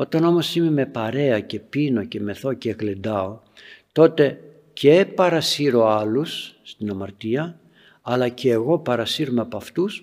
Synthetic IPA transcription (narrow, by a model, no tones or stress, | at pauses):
o̞t̪ɐno̞mo̞sime̞me̞pɐɾe̞ɐce̞pino̞ce̞me̞θo̞ceːɣlend̪ɐo̞ | t̪o̞t̪e̞ | cʰepɐɾɐsiɾo̞ɐlusːt̪inɐmɐɾt̪iɐ | ɐlɐceːɣo̞pɐɾɐsiɾomeɐpɐft̪us